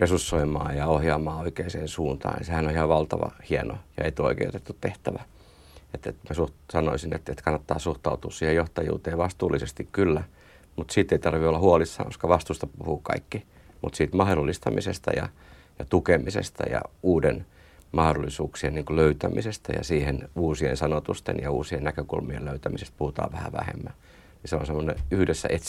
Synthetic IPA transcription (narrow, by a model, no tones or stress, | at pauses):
resursːoimɑ̰ːjɑohjɑːmɑːoikeːseːnsuːnt̪ɑ̰ːn̰sehænohihɑʋʋɑlt̪ɑʋɑ̰hiɛno̰jɑ̰eit̪uo̰ikḛːo̰t̪et̪ːut̪t̪eht̪æʋæ | et̪et̪mæsuhsɑno̰isinḛt̪et̪kɑnːɑt̪ːɑːsuht̪ɑut̪uːssiːhejoht̪ɑjṵːt̪eːʋɑst̪uːlːˑisest̪ikkylːæ | mut̪siːt̪eit̪ɑrʋiolːɑhuolisːɑ̰ːŋkoskɑʋɑst̪uːst̪ɑpuhuːkɑ̰ikːi | mut̪siːt̪mɑhdolːist̪ɑmisest̪ɑ̰jɑ | jɑt̪ukemisḛst̪ɑ̰jɑ̰uːden | mɑhdolːˑisuːksienniːŋkoløyt̪æmisest̪æjɑ̰siːhenuːsiḛnsɑnot̪ust̪ḛnjɑṵːsiennækøkulmiḛløyt̪æmisest̪̚puhut̪ɑ̰ːʋʋæhæ̰ʋæ̰hḛmːæ | niseo̰nsemːonḛyhdesːæ̰ʔet̪